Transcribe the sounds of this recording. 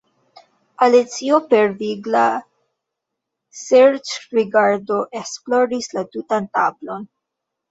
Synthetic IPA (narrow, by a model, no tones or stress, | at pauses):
alit͡siopeɾviɡla | seɾt͡ʃɾiɡaɾdo̞ʔeksploɾislatutanta̰blo̞n